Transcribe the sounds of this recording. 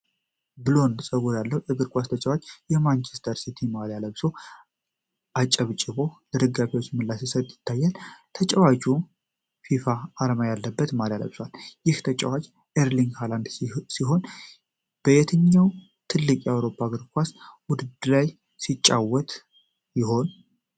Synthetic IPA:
bɨlo̞nsʼəɡujalːəwɛɡɨɾkʷast̪ʰət͡ʃʼɛwat͡ʃːjɛmant͡ʃʰɛst̪ʰəɾsit̪ʰimaljaləβsow | ʔat͡ʃʼəβt͡ʃʼɪβo̞d̪ɨɾɨɡabiwo̞t͡ʃːmɨlːasisət̪ʼjɪt̪ʰːajːɛnt̪ʰət͡ʃʼɛwat͡ʃu | fifaːlmajalːəbːət̪maljalə̰βsaljɪht̪ʰət͡ʃʼɛ̰wat͡ʃ | ʔeɾliŋɡhaland̪siɦo̞n | b̥əjɛt̪ʰɨɲːaw | t̪ʰɨlːɨkʼjawɾo̞pʰːaɡɨɾkʰʼʷaswʊd̪ɨd̪laj | sit͡ʃʼːawːɔt̪ʼ | jɪho̞n

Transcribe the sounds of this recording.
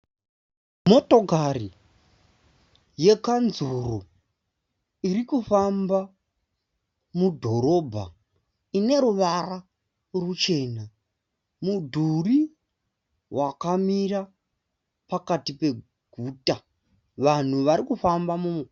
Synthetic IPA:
mo̞to̞kari | je̞kanzuro | iɾikufamba | mudʱo̞ɾo̞bʱa̰ | ine̞ɾuʋara | rut͡ʃe̞ːna | mudʱuri | wakamiɾa | pakatipe̞ | ɡʱuːta | ʋan̤uʋaɾikufambamum

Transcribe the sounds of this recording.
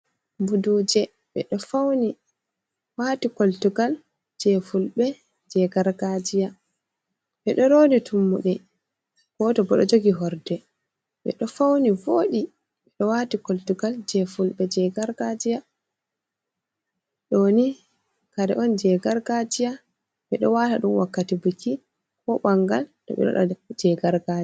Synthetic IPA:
budud͡ʒɛ | ɓɛ̰ɗɔfawni | waːtikoltuɡal | d͡ʒɛfulɓɛ | d͡ʒɛɡaɾɡad͡ʒija | ɓɛɗɔɾoːditʰumːuɗɛ | ɡ̥ɔtɔbɔɗɔ̰d͡ʒoɡiɦɔɾdɛ | ɓɛ̰ɗɔfawnivoɗi | ɓɛɗɔwatikoltuɡald͡ʒɛfulɓɛd͡ʒɛɡaɾɡad͡ʒija | ɗɔni | kaɾɛʔɔnd͡ʒɛɡaɾɡad͡ʒija | ɓɛɗɔwataɗunwakːatibuki | kɔɓaŋɡaltɔ̰ɓɛ̰ɗɔ̰ɗɔ̰d͡ʒɛɡaɾɡa

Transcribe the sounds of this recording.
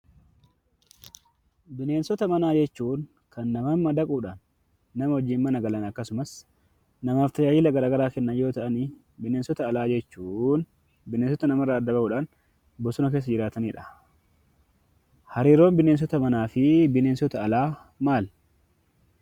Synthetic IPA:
bɪne̞ːnsɔt̪ɐmɐnaːd͡ʒɛt͡ʃːuːn | kɐnːɐmɐmːɐd̪ɐkʼuːᶑaːnː | ɐmɐɔd͡ʒːiːnmɐnɐɡɐlɐnɐkːɐsʊmɐs | nɐmaːft̪ɐd͡ʒaːd͡ʒɪlɐɡɐɾaːɡɐɾaːkɛnːɐnjo̞ːt̪ɐʔɐni | bɪne̞ːnsɔt̪ɐːlaːd͡ʒɛt͡ʃːuːn | bɪneːns̬ɔt̪ɐnɐmɐrːɐːd̪ːɐbɐbuːᶑaːn | bɔsʊnɐk̬e̞ːsːɐd͡ʒɪɾaːt̪ɐniːᶑɐ̥ | hɐɾiːɾo̞ːmbɪneːns̬ɔt̪ɐmɐnaːfɪbɪne̞ːnsɔt̪ɐɐlaː | maːl

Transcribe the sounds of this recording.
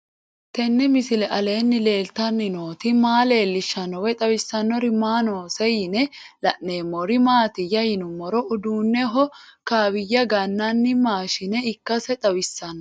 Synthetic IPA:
t̪ɛnːɛmɪsɪlɛʔɐle̞ːnːɪle̞ːlt̪ɐnːɪno̞ːt̪ɪmaːle̞ːlːɪʃːɐnːɔwɛt̪ʼɐwɪsːɐnːɔɾɪmaːnoːsɛjɪnɛlɐʔnːeːmɔɾɪmaːt̪ɪjːɐjɪnʊmɔɾɔʔʊd̪uːnːɛɦɔkaːwɪjːɐɡɐnːɐnːɪmaːʃɪnɛɪkːɐsɛt̪ʼɐwɪsːɐnːɔ

